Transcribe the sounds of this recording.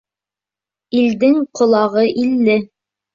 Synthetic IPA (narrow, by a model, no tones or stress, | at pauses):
ild̪ɘŋqŏlˠɑʁɤʔilːɘ